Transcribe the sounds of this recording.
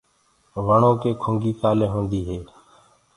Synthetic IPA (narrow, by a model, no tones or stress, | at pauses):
ʋəɳõːkeːkʰʊːŋɡiːkaːleːɦõːnd̪iːɦeː